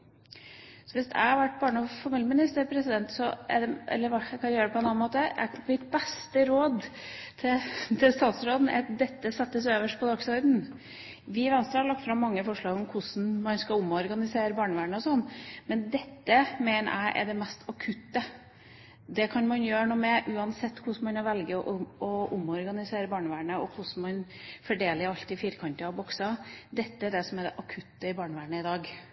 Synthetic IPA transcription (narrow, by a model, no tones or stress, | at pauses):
sɔʋɪst̪æ̰ɪhɑɾʋæʈːbɑːɳəɔfɑɾmiːljəmɪnɪst̪əɾpʰɾɛsɪd̪ɛnt̪sɔɛ̰ɖɛʔɛ̰lːəɾʋækʰɑnjøːɾəpʰɔɛnɑnmoːt̪əæ̰mɪt̪̚bɛst̪əɾoːd̪t̪ʰɪlt̪ʰɪlst̪ɑːt̪sɾoːd̪n̩æ̰ɾɑt̪̚d̪ɛt̪ːəsɛt̪ːəsøːʋəʂpʰɔd̪ɑksɔɾd̪n̩ | ʋɪʋɛnst̪ɾəhɑɭɑk̚t̪fɾɑmːɑŋːəfɔʂɭɑːɡɔmkʰʊsn̩mɑnskɑlʊmɔɾɡɑnɪseːɾəbɑːɳəʋæːɳəɔsɔnːmɛnd̪ɛt̪ːəmeːnə̰ʔæ̰ɪʔɛ̰ɖɛmɛst̪ʰɑkʰʉt̪ːə | d̪ɛkʰɑnmɑnjøːɳuːmɛʔʉːɑnsɛt̪ːkʰʊsmɑnɑɾʋɛlɡəʔɔʔʊmɔɾɡɑnɪseːɾəbɑːɳəʋæːɳəɔkʰʊsn̩mɑn | fɔɖeːləɾɑlt̪ɪfiːɾkʰɑnt̪əɑbɔksɑd̪ɛt̪ːəæɖɛsɔmæɖ̪ɛʔɑkʰʉt̪ːəɪbɑːɳəʋæːɳəɪd̪ɑːɡ